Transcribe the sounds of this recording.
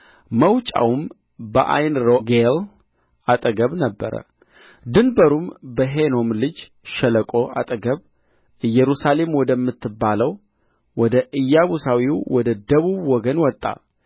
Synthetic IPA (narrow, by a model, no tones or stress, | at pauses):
məwt͡ʃʼa̰wum | bəʔa̰jnɾoɡel | at̪ʼəɡəβnəbːə̰ɾə̰ | d̪ɨnbəɾumbəɦeno̞mlɨd͡ʒ | ʃɛləkʼo̞ʔa̰t̪ʼəɡəβ | ʔɨjːɛɾusale̞mwɔd̪əmːɨt̪ʰːɨbːaləw | wɔd̪əʔɨjːaβusawiwwɔd̪əd̪əβuβwɔɡənwɔt̪ʼːa̰